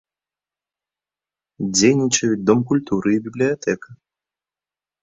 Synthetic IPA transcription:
d͡zʲejnʲit͡ʃɐjut͡s̚ʲd̪ɔmkulʲt̪uɾʔɨibʲiblʲijat̪ɛkɐ

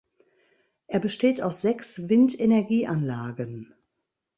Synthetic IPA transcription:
ʔeːɐbəʃteːtaʊsz̥ɛksvɪntenɛɐɡiːʔanlaːɡən

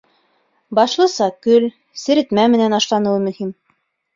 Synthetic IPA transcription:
bɑʃlˠɤ̆sɑkɵl | sɘ̆ɾɘ̆t̪mæmɘ̆nænɑʃlˠɑnɤ̆wɤmɵ̆him

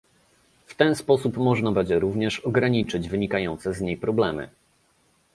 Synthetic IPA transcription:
ft̪ɛnspɔsupmɔʐnabɛɲd͡ʑɛɾuvɲɛʂɔɡɾaɲit͡ʂɘd͡ʑvɘɲikajɔnt̪sɛzɲejpɾɔblɛmɘ̰

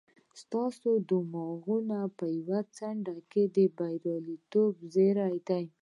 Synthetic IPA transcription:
st̪ɑsod̪umɑɣunapəjawat͡saɳɖaked̪əbajɾɑlit̪obzeɾajd̪aj

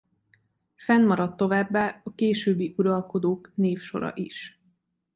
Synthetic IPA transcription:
fɛnmɒɾɒt̪ːo̞vaːbːaːɒkeːʃøːbːiʔuɾɒlko̞d̪oːkneːfʃo̞̰ɾɒ̰ʔiʃ

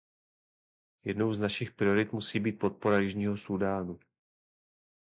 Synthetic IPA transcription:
jɛ̰dno̞wznaʃɪxpɾɪo̞ɾɪt̪musiːbiːt̪̚po̞t̪̚po̞ɾajɪʒɲiːɦosudaːnu

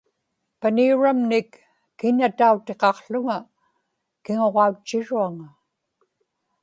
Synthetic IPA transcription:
paniuɻamnɪkː | ɪɲat̪aut̪e̞qɑqɬʊŋa | kɪŋo̞ʁɑut͡ʃːɪɻuaŋa

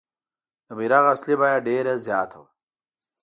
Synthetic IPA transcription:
d̪əmiɾaɣaslibajaɖeɾazjaːt̪ʰa̰w

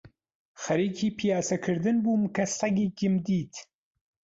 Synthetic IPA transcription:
xɐɾiːkʰiːpʰijaːsɐkʰɨɾd̪ɨnbuːmkʰɐsɐɡiːɡɨmd̪iːt̪ʰ

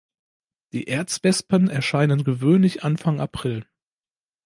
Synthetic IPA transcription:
d̥ḭːʔeɐt͡sv̥ɛspənɛɐʃaɪnənɡəvøːnlɪçʔanfaŋʔapʁ̥ɪl

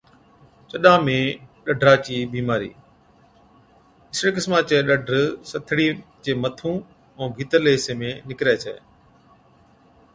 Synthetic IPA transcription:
t͡ɕəɗãːmẽːɗəɖʱɾaːt͡ɕiːbiːmaːɾḭː | ɪsɽekɪsmat͡ɕeːɗəɖʱɾsɐt̪ʰɪɽiːt͡ɕeːmət̪ʰũː | ɛ̃ːbʱiːt̪əɾleːɦɪsemẽnɪkɾaːt͡ɕʰḛː

